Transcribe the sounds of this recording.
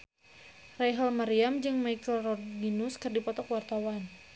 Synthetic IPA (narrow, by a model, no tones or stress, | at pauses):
rajɦəlmaɾiamd͡ʒɨŋmajkəlrɔɡinuskɨrdipɔt̪ɔkwart̪awan